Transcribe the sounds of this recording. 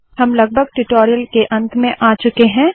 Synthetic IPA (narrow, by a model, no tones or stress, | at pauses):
ɦɐmlɐɡ̚bʱəɡ̚ʈuʈoːɾijəlkeʔɐ̃nt̪ʰmẽʔaːt͡ʃʊkeɦɛ̃ː